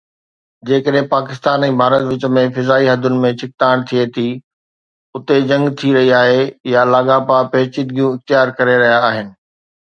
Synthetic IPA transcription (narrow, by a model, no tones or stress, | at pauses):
d͡ʑeːkəɗɦẽpaːkɪst̪aːnɛ̃ːbʱaːɾət̪ʋɪt͡ɕəmẽfɪzaːiɦɐd̪ʱʊnɪ̆mẽt͡ɕʰɪk̚t̪aːɪɽ̃t̪ʰiet̪ʰi | ʊt̪ed͡ʑɐ̃ŋɡt̪ʰiɾɐɦiaːɦejalaːɡapapɛːt͡ɕɪd̪ɡijũɪxt̪jaːɾkɐɾeɾɐɦijaːɦɪnɪ̆